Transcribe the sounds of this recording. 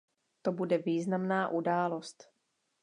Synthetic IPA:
t̪obudɛviːznamnaːʔudaːlo̞st̪

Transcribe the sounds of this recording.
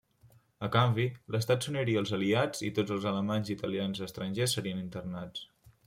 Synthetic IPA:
əkambiləst̪at̪suniɾiəlˠzəliad͡zit̪od͡zəlˠzələmanzit̪əlianzəst̪ɾənʲʒesːəɾiənint̪ərnat͡s

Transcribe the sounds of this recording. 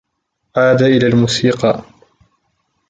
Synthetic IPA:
ʕaːd̪aʔɪlaːlmuːsiːqɑ

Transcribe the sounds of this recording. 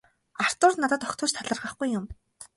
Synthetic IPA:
ar̥t̪ʊːrnat̪ə̆t̪ɔkt̪ʰʊːt͡ɕt̪ʰaɮə̆rʁə̆χɡujːʊm

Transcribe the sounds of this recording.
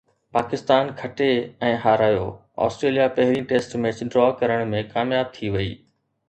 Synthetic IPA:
paːkɪst̪aːnkʰɐʈeɛ̃ːɦaːɾaːjo̰ː | ɔ̰ːsʈɾeːlijapɐɦɪɾĩʈeːsʈmẽːt͡ɕɖɾɔːkɐɾəɽ̃mẽkaːmjaːb̚t̪ʰiʋɐiː

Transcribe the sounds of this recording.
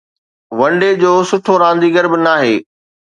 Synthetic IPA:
ʋɐ̃ɳɖed͡ʑoːsʊʈʰoɾãːnd̪iɡɐɾbɪnaːɦeː

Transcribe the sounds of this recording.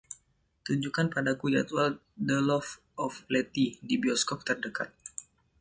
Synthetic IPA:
t̪uɲd͡ʒukanpadakujat̪wal | dəlɔf | ɔflɛt̪idibiɔskɔp̚t̪ərdəka̰t̪̚

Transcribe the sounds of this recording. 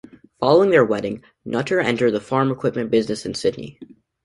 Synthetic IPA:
fɑlˠoʊɪ̃ŋðə˞wɛɾɪ̃ŋ | nʔʌɾə˞ɛ̃ntə˞d̪̚ðəfɑɹməkʰw̥ɪp̚mɨ̃nb̥ɪznɨsɨ̃n̩sɪdⁿnḭ

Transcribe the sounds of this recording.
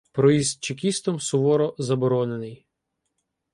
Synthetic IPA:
pɾɔizʲt͡ʃekʲist̪ɔmsʊʋɔɾɔzɐbɔɾɔnenɪj

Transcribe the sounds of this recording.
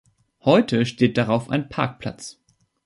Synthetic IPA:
hɔʏtʰəʃteːt̚d̥aʁaʊfaɪnpʰa̰ɐk̚pʰl̥a̰t͡s

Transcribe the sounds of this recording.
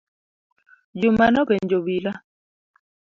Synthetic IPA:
d͡ʒumanɔkɛnd͡ʒobila

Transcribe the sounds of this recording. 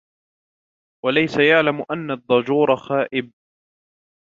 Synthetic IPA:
walajsajaʕlamʔanːad̪ˤːɑd͡ʒuːɾˤɑxaːʔɪb̚

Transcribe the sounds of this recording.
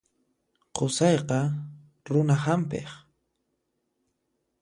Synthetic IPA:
qʰʊsɑjqɑ | ɾʊnahampɪ̰χ

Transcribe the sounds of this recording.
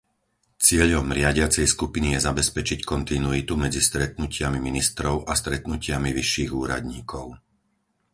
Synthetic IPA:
t͡sɪɛʎɔmɾɪaɟɪat͡sɛjskupinijɛzabɛspɛt͡ʃickɔnt̪inuit̪umɛd͡zist̪ɾɛt̪̚nucɪamiminist̪ɾɔʊʔast̪ɾɛt̪nucɪamiʋiʃːiːɣuːɾa̰d̪ɲiːkʰɔʊ

